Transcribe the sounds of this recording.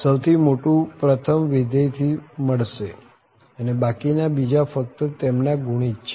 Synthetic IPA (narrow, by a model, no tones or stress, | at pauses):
səwt̪ʰimoʈũpɾət̪ʰəmʋid̪əjt̪ʰiməɭʃe | ənebakinabid͡ʒafək̚t̪ət̪emnaɡʱuɽ̃id͡ʒt͡ʃʰe